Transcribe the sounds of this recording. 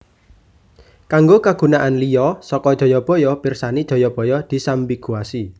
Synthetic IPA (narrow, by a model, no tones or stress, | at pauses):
kaŋɡokaɡ̥ṳnaʔanlijɔsɔkɔd̥ʒ̥ɔ̤jɔb̥ɔ̤jɔpirsanid̥ʒ̥ɔ̤jɔb̥ɔ̤jɔd̪̥i̤sambiɡ̥uasi